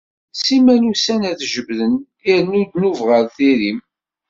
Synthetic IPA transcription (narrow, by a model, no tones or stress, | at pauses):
simænusænæðʒəbðən | iɾnud̪nuvʁəɾθiɾim